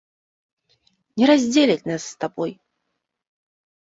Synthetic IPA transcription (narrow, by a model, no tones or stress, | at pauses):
nʲɛɾazʲdʲelʲatʲnasːt̪aboj